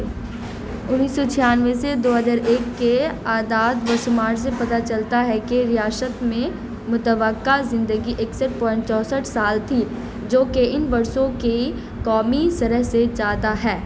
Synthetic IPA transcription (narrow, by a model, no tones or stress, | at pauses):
ʊnːiːsːot͡ʃʰɪjaːnʋesed̪oːɦəzaːɾʔeːkːeaːd̪aːd̪ʋɐsmaːɾs̬epɐt̪at͡ʃɐlt̪aɦɛkeɾɪjaːsət̪mẽ | mʊt̪əʋəkːazɪ̃nd̪əɡiʔeksəʈ̚pɔ̃ːɪ̃ɳʈt͡ʃɔːsəʈʰsaːlt̪ʰi | d͡ʒoːkeɪnʋɐɾʃõke | kɔːmisɐɾəɦset͡ʃaːt̪aɦɛː